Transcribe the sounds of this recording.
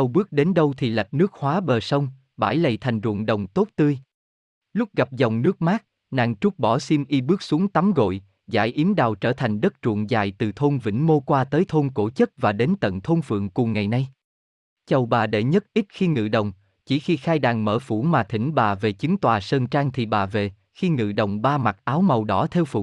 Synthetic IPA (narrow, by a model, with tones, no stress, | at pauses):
t͡ɕə˨˩wɓɨ˦˥ək̚ɗe˨˦nɗə˧wt̪ʰi˨˩la˨˩k̚nɨ˦˥ək̚hwaː˨˦ɓəː˨˩sə˧wŋ͡m | ɓaː˧˩jlə˧˨jt̪ʰa˨˩jŋ̟zṵ˧˨əŋɗə˨˩wŋ͡mt̪o˦˥t̚t̪ɨ˧əj | lʊ˦˥k͡p̚ɣa˨˩p̚zɔ˨˩wŋ͡mnɨ˦˥k̚maː˦˥k̚ | na̰ː˧˨ŋt͡ɕʊ˦˥k͡p̚ɓɔ˧˩si˧mʔi˧ɓɨ˦˥k̚su˨˦əŋt̪a˨˦mɣo̰˧˨j | za̰ː˧˩jʔi˨˦əmɗaː˨˩wt͡ɕəː˧˩t̪ʰa˨˩jŋ̟ɗə˦˥t̚t͡ɕṵ˧˨əŋza̰ː˧˩jt̪ɨ˨˩t̪ʰo˧nvḭ̈˧˩ŋ̟mo˧kwaː˧t̪əː˨˦jt̪ʰo˧nko˧˩t͡ɕə˦˥t̚vaː˨˩ɗe˨˦nt̪ə̰˧˨nt̪ʰo˧nfɨ̰˧˨əŋkʊ˨˩ŋ͡mŋa˨˩jna˧j | t͡ɕə˨˩wɓaː˨˩ɗḛ˧˩ɲə˦˥t̚ʔi˦˥t̚xi˧ŋɨ̰˧˨ɗə˨˩wŋ͡m | t͡ɕi˧˩xi˧xaː˧jɗaː˨˩ŋməː˧˩fṵ˧˩maː˨˩t̪ʰï˧˩ŋ̟ɓaː˨˩ve˨˩t͡ɕɨ˨˦ŋt̪waː˨˩səː˧nt͡ɕaː˧ŋt̪ʰi˨˩ɓaː˨˩ve˨˩ | xi˧ŋɨ̰˧˨ɗə˨˩wŋ͡mɓaː˧ma˨˩t̚ʔaː˨˦wmə˨˩wɗɔ˨˦t̪ʰɛ˧wfṵ˧˩˦